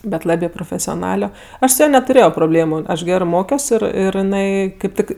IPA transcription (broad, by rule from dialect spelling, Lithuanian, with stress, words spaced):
bʲɛt ˈlˠɑːbʲeː proːfʲɛsʲoːˈnɑːlʲoː ˈɐʃ sʊ ˈjɛ nʲɛtʊˈrʲeːjoː proːˈbʲlʲeːmʊ ˈɐʃ ˈɡʲæːrɜ ˈmoːkʲoːs ˈɪr ɪr jɪˈnɐɪ kɐɪp ˈtʲɪk